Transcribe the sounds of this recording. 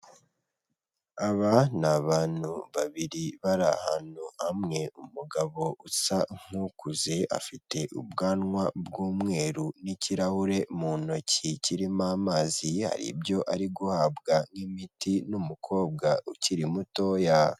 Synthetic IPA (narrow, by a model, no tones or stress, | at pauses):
aβanaβaːn̥huβaβiɾiβaɾa̰ha̰n̥uhamŋe̞umuɡaβo̞ʔusaŋ̥hukuze̞a̰fite̞ʔṵbɡaːnŋwabɡuːmŋe̞ːɾuniciɾahuɾe̞muno̞ciciɾimaːmaːziha̰ɾḭbjo̞ʔaɾiɡuhaːbɡaŋimitinumukʰo̞ːb̚ɡauciɾimutoja